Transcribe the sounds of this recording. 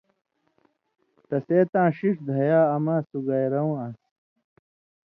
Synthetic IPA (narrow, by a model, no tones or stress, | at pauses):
t̪ɐseːt̪ãːɕiʂd̪ʱɐjaːɐmaːsuɡɐjɾɐw̃ɐs